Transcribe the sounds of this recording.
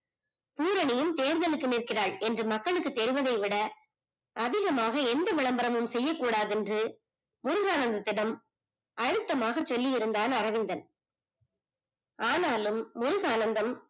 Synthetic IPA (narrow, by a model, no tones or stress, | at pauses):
puːɾɐɳɪjɯmt̪eːɾðɐlɯkːɯnɪrkɪraːɭɛndrɯmɐkːɐɭɯkːɯt̪ːɛɾɪʋɐðɐɪʋɪɽɐ | ʔɐðɪɣɐmaːɣɐɛnd̪ɐʋɪɭɐmbɐɾɐmɯmsɛjːɐkːuːɽaːðɛndrɯ | mʊɾɯɣaːnɐnd̪ɐt̪ːɪɽɐm | ʔɐɻɯt̪ːɐmaːɣɐt͡ʃːɔlːɪjɪɾɯnd̪aːnɐrɐʋɪnd̪ɐn | ʔaːnaːlɯmːʊɾɯɣaːnɐnd̪ɐm